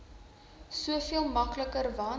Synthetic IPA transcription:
suəfiəlˠmɐkləkərvɑ

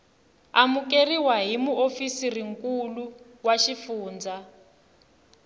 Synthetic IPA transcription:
amuk̬eriwaɦimuofisiriŋkʼulu | waʃifuːnd͡za

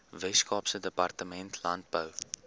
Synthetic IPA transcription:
vɛskɑːpsədəpɐrtəmɛntʰlɐnt̚bəw

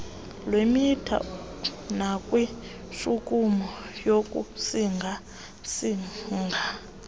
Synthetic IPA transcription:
lwemitʰa̰nakʼwi | ʂukʼumɔjokʼṵsiŋɡʱa | siŋɡʱa

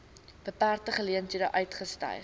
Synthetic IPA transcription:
b̥əpæːrtəχəliəntidə̰ːʔœɥtχəstɐ̰j

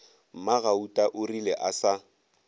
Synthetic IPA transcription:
m̩maɣautʼaʔʊrilɛʔasa

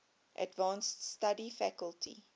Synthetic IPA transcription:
ʔæ̰tvɑ̃ːnststadifækəlˠtʰḭ

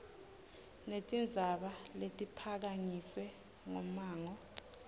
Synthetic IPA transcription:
netʼind͡zʱaɓaletʼipʰak̬aɲiswɛ | ŋɔmaːŋɔ

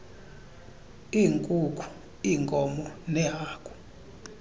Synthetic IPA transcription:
iːŋkʼukʰu̥ | iːŋkʼɔmɔnɛɦaːkʼu̥

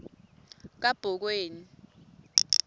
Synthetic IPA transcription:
k̬ab̥ʱɔk̬weːni

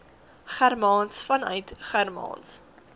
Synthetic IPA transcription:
χærmɑːnsfɐnœ̰ɥtχærmɑ̰ːns

